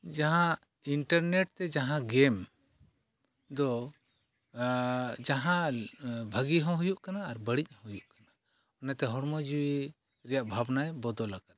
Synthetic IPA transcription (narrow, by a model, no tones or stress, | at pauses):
d͡ʒaɦã | iɳʈaɾneʈ̚t̪ɛd͡ʒaɦãɡɛm | d̪ɔ | d͡ʒaɦãbʱəɡiɦɔ̃ɦujuʔkanaːɾbəɽic̚ˀhɔ̃ɦujuʔkana | ɔnɛt̪ɛɦɔɽmɔd͡ʒuwi | ɾɛjaʔbʱabnajbɔd̪ɔlaɡat̪̚